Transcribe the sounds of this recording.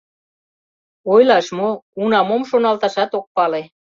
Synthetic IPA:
ojlɑʃmounɑmomʃonɑlt̪ɑʃɑt̪ok̚pɑle

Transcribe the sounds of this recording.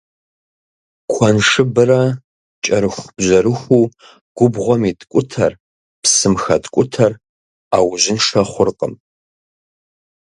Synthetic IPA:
kʷʰɐnʂɨbɨɾɐ | t͡ʃʼɐɾɨxʷb̥ʑɐɾɨxʷuː | ɡ̥ʷʊbʁʷɔmitkʷʼʊtʰɐr | psɨmxɐtkʷʼʊtʰɐr | aːwʑɪnʂɐχʷʊrqʼə̰m

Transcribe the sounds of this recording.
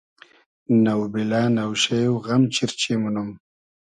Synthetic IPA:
nawbilanawʃajwɣamt͡ʃiɾt͡ʃemunum

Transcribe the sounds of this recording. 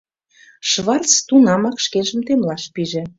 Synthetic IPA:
ʃβɑrt͡st̪unɑmɑkʃkeʒə̆mt̪emlɑʃpiʒĕ

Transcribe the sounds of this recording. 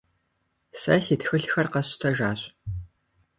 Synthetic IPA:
sɐ̰siːtxɨɬxɐrqɐɕtʰɐʒaːɕʼ

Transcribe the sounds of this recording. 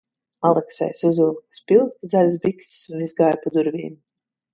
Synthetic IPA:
alˠɛksɛ̰jsuzuːk̚t̪spilˠk̚t̪zalʲsbiksi̥sunizɡajpud̪uɾvʲḭːm

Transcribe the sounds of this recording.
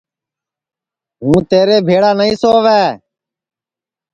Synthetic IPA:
ɦũːt̪eːɾeːbʱeːɽaːnəĩːsoːʋɛː

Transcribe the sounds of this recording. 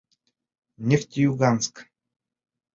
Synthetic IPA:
nʲeft̪ʲijuɡansk

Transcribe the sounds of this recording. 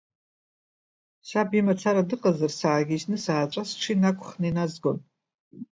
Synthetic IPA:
ʃabimat͡sʰaɾadɨqʼazarsaːɡʲiʃnɨsaːt͡ʃʷʼasʈ͡ʂʷʰinakʷʰʼχninazɡon

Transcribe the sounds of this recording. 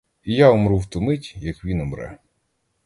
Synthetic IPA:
ijaɔmɾuwt̪ʊmɪtʲjɐkʋʲinɔmɾɛ̰

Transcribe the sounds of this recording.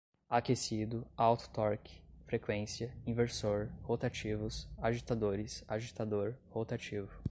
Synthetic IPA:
akesid̪ʊawt̪ʊ̥t̪ɔɾkɪ̥fɾekwẽsiɐĩveɾsoɾhot̪at͡ʃivʊsaʒit̪ad̪oɾɪsaʒit̪ad̪oɾhot̪at͡ʃivʊ

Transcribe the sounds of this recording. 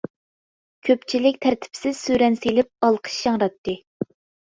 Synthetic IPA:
kʲʰøpt͡ʃʰilɪkʲt̪ʰæɾt̪ʰɪ̥psɪz̥syɾɛnselɪp̚ɑlˠqʰə̥ʃjɑŋɾɑt̪ːɨ

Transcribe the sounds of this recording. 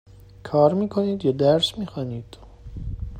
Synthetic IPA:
kʰɒːɾmiːkʰoniːd̪jɑːd̪æɾsmiːxɑːniːd̪̥

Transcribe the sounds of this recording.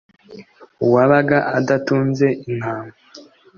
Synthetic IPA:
uwaβaɡaʔadatuːnze̞ʔin̥haːmɡo

